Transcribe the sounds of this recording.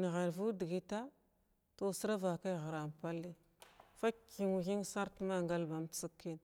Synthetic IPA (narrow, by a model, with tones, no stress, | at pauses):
n˨ɣe˨ɾvu˦di˨ɡi˦ta˦ | to˨sə˦ɾa˦va˨ka˦jɣa˨ɾa˨m˨pa˦lːi˦ | fa˦ki˨ŋ˨xi˦ŋsa˦ɾtma˦ŋɡa˦lba˨m˨t͡sə˦kːi˦n